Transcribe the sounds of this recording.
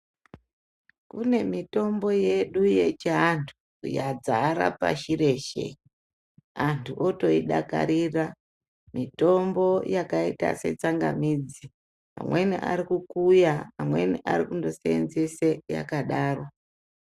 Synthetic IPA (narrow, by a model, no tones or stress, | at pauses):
kune̞mito̞mbo̞je̞ɗujet͡ʃeantʰu̥ | jad͡zaɾa̰pa̰ʃire̞ʃe | antʰuʔoto̞iɗaka̰ɾira | mito̞mbo̞jakaita̰se̞t͡saŋɡamiːd͡zi | a̰mweniʔa̰ɾikukujaamwe̞̰niʔaɾikundo̞seenzeseja̰kaɗaːrwo